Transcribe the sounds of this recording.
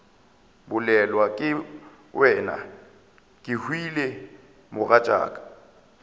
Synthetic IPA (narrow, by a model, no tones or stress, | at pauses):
bʊlɛlwakʼɪ | wʔɛːna̰ | kʼɪhwile | mʊɣat͡ʃʼa̰ːkʼḁ